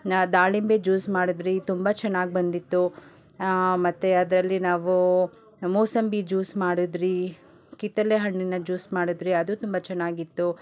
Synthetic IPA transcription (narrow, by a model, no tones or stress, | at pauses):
d̪aːlimbed͡ʒuːsmaːɽud̪ɾit̪umbɐt͡ʃɛnːaːɡibɐnd̪it̪ːu | mɐt̪ːuɐd̪ɐɾɐlːinaːʋu | moːsɐmbid͡ʒuːsmaːɽud̪ɾi | kit̪ːɐleɦɐɳːinːɐd͡ʒuːsmaːɽid̪ɾiɐd̪ut̪umbɐt͡ʃɛnːaːɡit̪ːu